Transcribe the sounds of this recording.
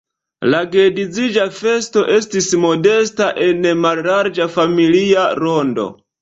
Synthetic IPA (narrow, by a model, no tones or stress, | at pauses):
laɡedid͡zid͡ʒafe̞sto̞ʔe̞stismo̞de̞staʔe̞nmallaɾd͡ʒafamiliaɾo̞ndo̞̰